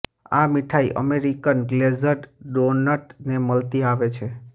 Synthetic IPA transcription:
a̰miʈʰaiʔə̰meɾikənɡlezəɖɖonəʈneməlt̪iaʋet͡ʃʰe

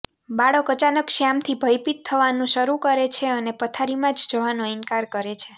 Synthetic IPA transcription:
baɭəkət͡ʃanəkʃamt̪ʰibʱəjpit̪ʰːəʋanũʃəɾukəɾet͡ʃʰeənepət̪ʰaɾimãd͡ʒd͡ʒoʋanoɪnkaɾkəɾet͡ʃʰe

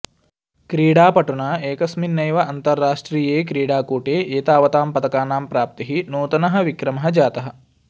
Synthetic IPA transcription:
kɾiːɽaːpɐʈuɳaːeːkɐsminːɐjʋɐʔɐnt̪ɐɾːaːʂʈɾiːjeːkɾiːɽaːkoːʈeːʔeːt̪aːʋɐt̪aːmpɐt̪ɐkaːnaːmpɾaːp̚t̪iɦinuːt̪ɐnɐɦɐ̆ʋikɾɐmɐɦɐd͡ʒaːt̪ɐɦɐ̆

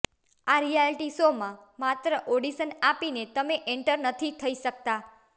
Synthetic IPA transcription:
aɾijalʈisomãmat̪ɾəʔoɽisənapinet̪əmeʔɛɳʈəɾnət̪ʰit̪ʰəiʃək̚t̪a

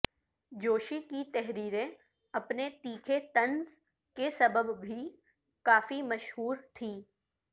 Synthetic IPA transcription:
d͡ʒoːʃikit̪ɛɦɾiːɾẽ | ɐpnet̪iːkʰet̪ɐ̃nz | kesɐbəbbʱi | kaːfimɐʃɦuːɾt̪ʰĩː

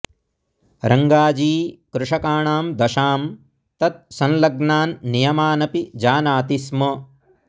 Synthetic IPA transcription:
ɾɐŋɡaːd͡ʒiːkɾuʂɐkaːɳaːmd̪ɐʃaːm | t̪ɐt̪̚sɐ̃nlɐɡnaːnːijɐmaːnɐpid͡ʒaːnaːt̪ismɐ

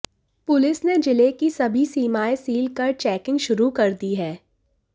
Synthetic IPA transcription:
pʊlɪsned͡ʒɪlekisɐbʱisiːmaːesiːlkɐɾt͡ʃɛːkɪ̃ŋɡʃʊɾukɐɾd̪iɦɛː

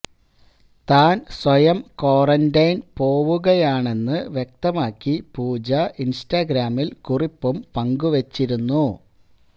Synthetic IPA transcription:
t̪aːnswɐjɐmko̞ːrɐndɐjnpo̞ːʋuɣɐjaːɳe̞nːɨʋjek̚t̪ɐmaːkːipuːd͡ʑɐʔinstaːɡɾaːmilkuripːumpɐŋɡuʋɐt͡ɕːiɾunːu

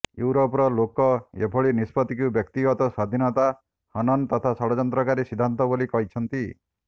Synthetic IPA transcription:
juwɾopɾɔlokɔḛbʰɔɭinispɔt̪ikubjɔkt̪iɡɔt̪ɔsad̪ʱinɔt̪a | hɔnɔnt̪ɔt̪ʰasɔɽɔd͡ʒɔnt̪ɾɔkaɾisid̪ʱːant̪ɔbolikɔɦit͡ʃʰɔnt̪i

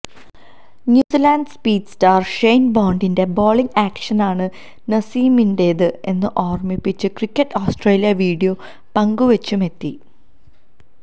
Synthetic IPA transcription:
njuːsilaːnɖɨspiːdstaːrʂejnboːɳɖinde̞boːɭiŋɡaːkʂɐnaːɳɨ | nɐsiːminde̞ːðɨe̞nːɨʔoːrmipːit͡ɕːɨkrikʲːɐʈːoːsʈreːlijɐʋiːɽijoː | pɐŋɡuʋɐt͡ɕːume̞t̪ːi

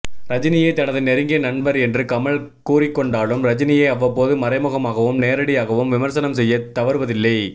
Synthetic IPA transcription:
ɾɐd͡ʒɪnɪjɐɪt̪ɐnɐðɯnɛɾɯŋɡɐnɐɳbɐɾɛndrɯkɐmɐɭ | kuːrɪkːɔɳɖaːɭɯmɾɐd͡ʒɪnɪjɐɪɐʋːɐpːoːðɯmɐɾɐɪmɯɣɐmaːɣɐʋɯmneːɾɐɽɪjaːɣɐʋɯmʋɪmɐɾsɐnɐmsɛjːɐt̪ːɐʋɐɾɯʋɐðɪlːɐɪ

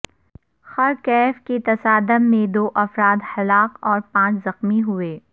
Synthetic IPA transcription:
xɐɾkɛːfket̪ɐsaːd̪əmːẽd̪oːʔɐfɾaːd̪hɐlaːqɔːɾpãːt͡ʃzɐxmiɦʊeː

